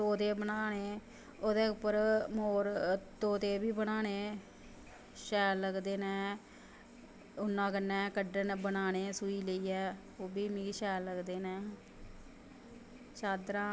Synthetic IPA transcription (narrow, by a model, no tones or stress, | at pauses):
t̪oːt̪eːbənaːneː | oːd̪eːʊpːəɾmoːɾt̪oːt̪eːbiːbənaːneeː | ʃɛːlləɡd̪eːnɛ̃ː | ʊnːãːkənːɛːkəɖənbənaːneːsuiːləiːɛː | oːbiːmĩːʃɛːləɡd̪eːnɛ̃ː | t͡ʃaːd̪ɾãː